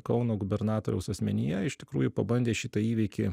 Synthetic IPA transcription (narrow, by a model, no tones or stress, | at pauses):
kɐʊnoːɡʊbʲɛɾnɑːt̪oːɾʲɛʊsɐsʲmʲɛnʲɪjɛɪʃt̪ʲɪ̥kɾuːjʊpɐbɐnʲd̪ʲeːʃʲɪt̪ɐiːʋʲɛɪkʲɪ